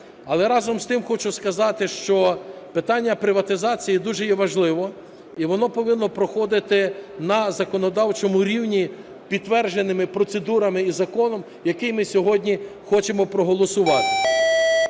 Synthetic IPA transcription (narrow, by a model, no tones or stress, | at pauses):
ɐlˠɛɾɑzɔmst̪ɪmxɔt͡ʃʊskɐzɑt̪ɪʃt͡ʃɔpɪt̪ɑnʲːɐpɾɪʋɐt̪ɪzɑt͡sʲijid̪uʒɛjɛʋɐʒlˠɪʋɔ | iʋɔnɔpɔʋɪnːɔpɾɔxɔd̪ɪt̪ɪnɐzɐkɔnɔd̪ɑwt͡ʃɔmʊɾʲiwnʲi | pʲid̪ːʋɛrʒenɪmɪpɾɔt̪sed̪uɾɐmɪizɐkɔnɔm | jɐkɪjmɪsʲɔɦɔdʲnʲixɔt͡ʃemɔpɾɔɦɔlˠɔsʊʋɑt̪ɪ̥